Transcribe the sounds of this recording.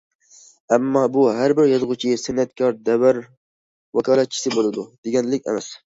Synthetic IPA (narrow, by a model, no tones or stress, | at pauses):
ɛmːɑːbuɦæɾbɪɾjɑzʁʊt͡ʃʰisɪnːɛt̪kʰɑɾd̪ɛwæɾ | wɑkʰɑːlˠɛt̪̚t͡ʃʰi̥sɪbolˠɨd̪ud̪̥eɡʲɛnlɪkʲɛ̰mɛs